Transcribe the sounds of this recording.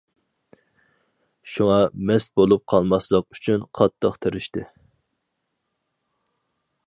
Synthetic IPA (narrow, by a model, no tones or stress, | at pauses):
ʃuŋɑmɛst̪̚bolˠup̚qʰɑlˠmɑslˠəqyt͡ʃʰynqʰɑt̪ʰːəqt̪ʰɨɾɪʃt̪ɪ